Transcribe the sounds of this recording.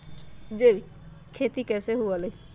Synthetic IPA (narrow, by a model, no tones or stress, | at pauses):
d͡ʒei | kʰeːt̪ikɛːseɦualəi